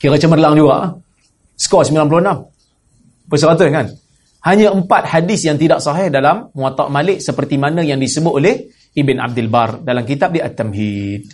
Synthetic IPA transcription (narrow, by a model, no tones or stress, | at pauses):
kiɾət͡ʃəmərlaŋd͡ʒuɡa̰ʔa | skɔʔsəmilanp̬loənam | pəsəɾat̪̬ʊkan | haɲãəmpat̪̚hadɪsjaŋt̪idaʔsɑɦɛhdalamːũat̪a̰ʔmalɪʔ̚səpərt̪imanə̃jaŋdisəbʊt̪̚oleh | ibɪna̰b̚dɪlbardalamkit̪ap̚diʔat̪ːɛmɦid̚